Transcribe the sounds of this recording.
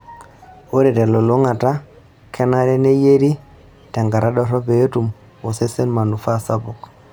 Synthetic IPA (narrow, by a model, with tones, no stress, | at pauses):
o˦ɾɛ˨tɛ˨lɔ˨lo˦ŋa˨ta˦ | kɛ˦na˦ɾɛ˦ne˦je˦ɾi˦ | tɛ˨ŋɡa˨ɾʔa˦dɔ˦ɾɔ˦pe˨˦tu˨m | ɔ˨se˦se˦nma˨nu˨fa˦sa˦bʊ˨k